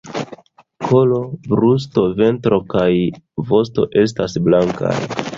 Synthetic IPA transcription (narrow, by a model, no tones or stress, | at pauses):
kʰo̞lo̞bɾus̬to̞ve̞ntɾo̞kajvo̞sto̞̰ʔe̞s̬tasblaŋka̰j